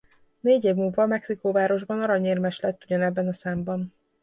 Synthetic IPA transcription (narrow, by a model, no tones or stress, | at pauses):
neːɟeːvmuːlvɒmɛksikoːvaːɾo̞ʒbɒnɒɾɒɲeːrmɛʃlɛt̪ːuɟɒnɛbːɛnɒsaːmbɒn